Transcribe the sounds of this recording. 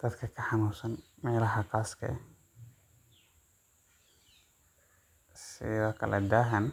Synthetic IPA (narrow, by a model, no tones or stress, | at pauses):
d̪̥ɐt̪kʰɐkʰɐħɑnuːsɐnmɛːlɐɦɐqaːskʰɐ̰ | sɪ̰ðɔkʰɐ̰lʔɐ̰d̪aːɦɐn